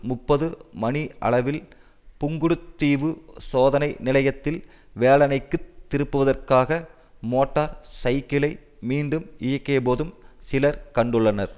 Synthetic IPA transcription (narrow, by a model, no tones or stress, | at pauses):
mʊpːɐðɯmɐniʔɐ̰ɭɐʋɪl | pʊŋɡɯɽɯt̪ːiːʋɯsoːðɐnɐɪnɪlɐjɐt̪ːɪl | ʋeːlɐnɐɪkːɯt̪ːɪɾɯpːɯʋɐðɐrkaːɣɐ | moːʈːaːɾsɐɪkɪlɐɪ | miːɳɖɯmɪjɐkːeːpoːðɯmsɪlɐɾkɐɳɖɯɭːɐnɐɾ